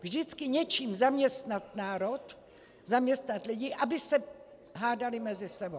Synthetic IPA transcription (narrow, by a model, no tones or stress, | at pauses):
vʒdɪt͡skɪɲɛt͡ʃiːmzamɲɛst̪nat̪naːɾot̪ | zamɲɛst̪nat̪lɪɟiʔabɪsɛ | ɦaːdalɪmɛzɪsɛbo